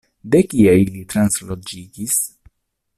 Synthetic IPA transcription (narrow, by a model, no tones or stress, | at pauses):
dekiailitɾanslod͡ʒiɡis